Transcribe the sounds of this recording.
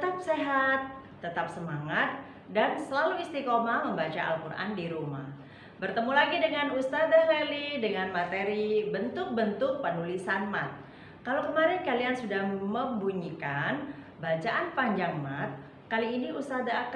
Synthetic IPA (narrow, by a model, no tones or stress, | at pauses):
ət̪ap̚seɦat̪ː | ət̪ap̚səmaŋat̪̚ | dansəlaluist̪ikomaməmbat͡ʃaa̰lkurʔa̰ndiɾuma̰h | bərt̪əmulaɡidəŋanust̪adaɦlelidəŋanmat̪eɾibənt̪ʊk̚bənt̪ʊk̚pənulisanmat̪̚ | kalokəmaɾɛnkaliansudahməmbuɲikan | bat͡ʃaʔanpaɲd͡ʒaŋmat̪̚ | kaliːniust̪adaːk